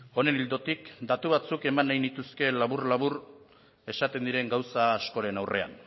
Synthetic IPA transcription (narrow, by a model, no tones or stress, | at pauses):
o̞ne̞nild̪o̞t̪ikd̪at̪uβat͡suke̞manːajnit̪uske̞laβurlaβ̞ur | e̞sat̪e̞nd̪iɾe̞ŋɡawsaːsko̞ɾe̞nawrʔe̞a̰n